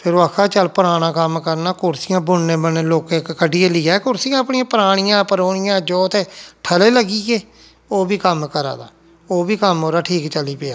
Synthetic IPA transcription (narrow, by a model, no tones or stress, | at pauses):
pʰɪɾaːkʰaːt͡ʃəlpəɾaːɽ̃ãːkəmkəɾnaːkʊɾsɪjãːbʊnːẽːbəneːloːkekkəɖieːlɪːaːɛːkʊɾsijãːpnɪ̃ãːpəɾaːɽ̃ɪjãːpəɾoːɳɪjãːd͡ʒɔːt̪eːʈʰəleːləɡiːɡeː | oːbiːkəmkəɾa̰ːd̪a̰ː | oːbiːkəmɦoːɾaːʈʰiːkt͡ʃəliːpeːaː